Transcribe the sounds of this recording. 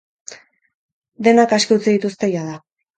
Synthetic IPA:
d̪e̞nakaskeut͡seðit̪ust̪e̞jaða

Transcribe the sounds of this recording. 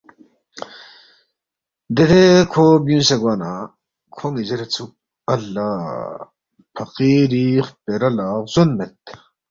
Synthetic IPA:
d̪et̪ekʰobjũːnseɡwaːna | kʰoŋizeɾet͡sʰuk̚ | ɐlːaː | pʰɐqiɾiχpeɾɐlaːɣzonmet̪

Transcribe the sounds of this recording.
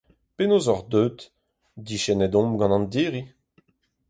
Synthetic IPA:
penoːzɔʁd̪øːt̪ | d̪iʃɛnɛd̪ɔ̃mɡɑ̃nɑ̃nd̪iːʁi

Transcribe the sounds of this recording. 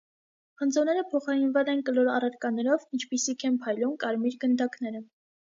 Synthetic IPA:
χənd͡zɔnɛɾəpʰɔχɑɾinvɑt͡sɛnkəlɔɾɑrɑɾkɑnɛɾɔvint͡ʃʰpisikʰɛmpʰɑjlumkɑɾmiɾɡənd̪ɑkn̪ɛɾə

